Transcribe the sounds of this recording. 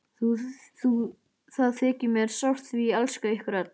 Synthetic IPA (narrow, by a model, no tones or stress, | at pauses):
θuθu | θaðθɛːcɪmɛɾ̥sawr̥t̪θvialskaɪhkʏɾat̪̚n